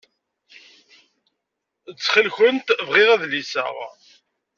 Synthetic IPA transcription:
ət͡sːχəlçənt̪vʁɪʁæðlisə̰ʁ

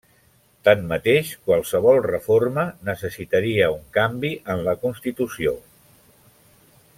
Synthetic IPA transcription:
t̪anːət̪eʃkwalˠsəβ̞ɔlˠrəformənəsəsit̪əɾiəuŋkambiʔənləkunst̪it̪usio

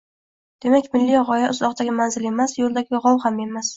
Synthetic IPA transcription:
d̪̥e̞makʲmɪlːiʁɒjaʔʊzɒqd̪aɡʲɪmanzɪle̞masjolˠd̪aɡʲɪʁɒmhame̞mas

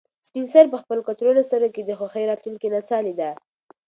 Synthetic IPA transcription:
spinsaɾp̬əxpəlokat̪ɾolost̪əɾoked̪əxwaxəjɾɑt̪luŋkinat͡sɑlid̪a

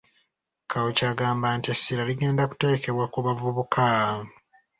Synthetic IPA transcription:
kʰawucaːɡaːmbaːntiesːiɾaliɡe̞ːndaku̥te̞ːke̞βwakuβavuβukʰa

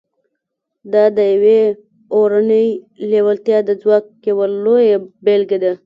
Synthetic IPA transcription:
d̪ɑd̪əjawe | oɾanəj | lewalt̪jɑd̪əd͡zwɑkːewalojebelɡed̪a

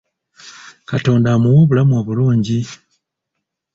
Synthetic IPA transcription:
kato̞ːndamuwoːβulamuoβuluːɲɟi

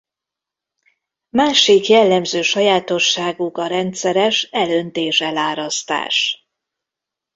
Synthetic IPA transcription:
maːʃikjɛlːɛmzøːʃɒjaːt̪o̞ʃːaːɡukɒɾɛnt̪sɛɾɛʃɛlønt̪eːʃɛlaːɾɒst̪a̰ːʃ

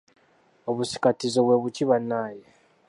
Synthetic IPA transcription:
oβusi̥katizo̞βwe̞βuciβanːaːje

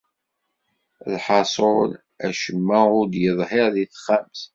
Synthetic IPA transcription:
lħɑsˤol | æʃəmːæʊɾd̪jəðˤɦɪɾðiθχæms

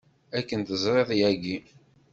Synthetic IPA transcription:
ækːənt̪əzˤɾˤeðˤjæɡi

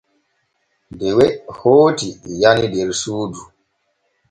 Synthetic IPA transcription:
dɛwɛhoːtijanidɛɾsuːdu

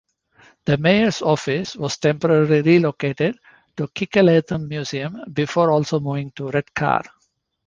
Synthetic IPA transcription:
d̪̥əmeɪəɾsɔːfɪsʋɔːz̥ʈẽmpəɾəɾliɾiloːkeːʈeɖ | ʈukʰɪkəleːt̪ʰə̃mːjuːziə̃mbɪfoːɾɔːlsoːmuːʋɪ̃ŋʈuɾeɖkʰa̰ːɾ

